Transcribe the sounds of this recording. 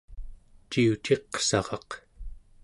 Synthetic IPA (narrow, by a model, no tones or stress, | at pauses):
t͡ʃiut͡ʃe̞qsɑ̰ʁɑq